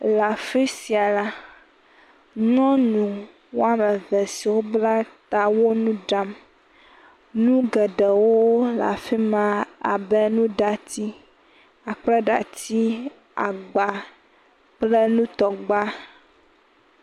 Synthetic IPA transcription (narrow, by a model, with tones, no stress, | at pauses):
la˨fi˦si˨a˨la˦ | nɔ̃˦nũ˨ | wo˦a˨mɛ˨vɛ˨si˨wo˦bla˦t̪a˨wo˦nũ˦ɖa˦m | nũ˦ɡɛ˨ɖɛ˨wo˦la̰˨fi˦mã˦a̰˨bɛ˦nũ˦ɖa˨t̪i˦ | a˨k͡plɛ˦ɖa̰˨t̪i˦ | a˨ɡ͡ba˨ | k͡plɛ˦nũ˦t̪ɔ˨ɡ͡ba˦